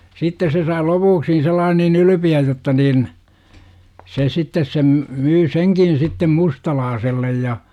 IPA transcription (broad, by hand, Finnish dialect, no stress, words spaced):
sitːes se sɑi lopuːksi selːɑːn niːn ylypiæj jotːɑ niːn se sitːes sem myː seŋkin sitːem mustɑlɑːselːej jɑ